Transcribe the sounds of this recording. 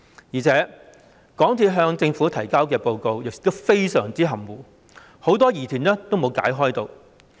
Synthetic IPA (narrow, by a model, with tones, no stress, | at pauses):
jiː˨˩t͡sʰɛː˨˥ | kɔː˨˥ŋt͡sʰiː˧˥ɦœː˧ŋt͡sɪ˧ŋfuː˨˥t̪ʰɐ˨˩jkaː˥wkɛː˧po˧wko˧wjɪ˨k̚k̚t̪o˥wfe˥jsœː˨˩ŋt͡siː˥ɦɐ˨˩mwuː˨ | ho˨˥wt̪ɔː˥jiː˨˩t̪ʰyː˨˩nɛː˥t̪o˥wmo˨˧wka̰ː˨˥jɦɔː˥jt̪o˧w